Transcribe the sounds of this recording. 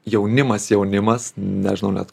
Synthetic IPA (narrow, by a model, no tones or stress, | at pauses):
jɛʊnʲɪmɐsjɛʊnʲɪmɐsnʲɛ̰ʒʲɪnɐʊnʲɛ̰t̪